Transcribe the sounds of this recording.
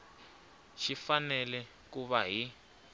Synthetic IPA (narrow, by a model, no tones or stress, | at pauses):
ʃifanɛlɛ | k̬uβaɦi